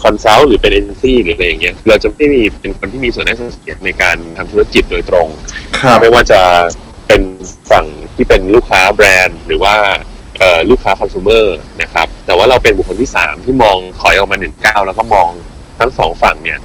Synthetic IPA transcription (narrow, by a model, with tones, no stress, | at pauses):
kʰɔ˧nsa˦˥wɾɯː˩˦pe˧nʔeː˧t͡ɕe˧nsiː˥˩ɾɯː˩˦ʔa˧ɾa˧ja˨˩ŋːi˦˥ɐkʰːɾa˧wt͡ɕa˨˩ma˥˩ji˧pe˧nkʰo˧nt̪ʰiː˥˩miː˧su˨˩ənda˥˩st̪si˨˩˦ɐna˧jkaː˧nt̪ʰa˧mt̪ʰa˥ki˨˩t̪̚doː˧jt̪ɾo˧ŋkʰma˥˩jwaː˥˩t͡ɕa˨˩ | pe˧nfa˨˩ŋt̪ʰiː˥˩pe˧nluː˥˩kʰːaː˦˥bɾɛː˧nɾɯː˩˦waː˥˩ | ʔɤː˨˩luː˥˩kʰːaː˦˥kʰɔ˧msuː˧˦mɤː˥˩na˦˥kʰɾa˦˥p̚t̪ɛː˨˩waː˥˩ɾa˧wpe˧nbu˨˩kʰːo˧nt̪iː˥˩sa̰ː˩˦mt̪ʰiː˥˩mɔː˧ŋkʰɔ˨˩˦jʔɔ˨˩kmaː˧nɯ˨˩ŋkaː˥˩wlɛː˦˥wkɔ˥˩mɔː˧ŋ | t̪ʰa˦˥ŋsɔː˩˦ŋfa˨˩ŋni˥˩ɐ